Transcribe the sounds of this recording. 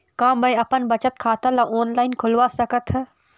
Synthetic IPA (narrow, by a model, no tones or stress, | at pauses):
kãːbɐ̃ĩɐpənbɐt͡ʃət̪̚kʰaːt̪ãlaʔoːnlaːɪnkʰʊlʋasɐkət̪ʰ